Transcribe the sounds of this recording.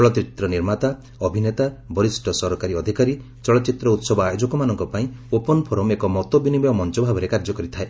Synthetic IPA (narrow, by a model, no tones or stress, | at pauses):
t͡ʃɔɭɔt̪ɾit̪ɾɔniɾmat̪a | ɔbʱinet̪abɔɾisʈʰɔsɔɾɔkaɾiɔd̪ʱikaɾi | t͡ʃɔɭɔt͡ʃit̪ɾɔut̪sɔbɔajod͡ʒɔkɔmanɔŋkɔpaĩopɔnɔpʰɔɾɔmekɔmɔt̪obinibɔjɔmɔnt͡ʃɔbʱabɔɾekaɾd͡ʒɔkɔɾit̪ʰae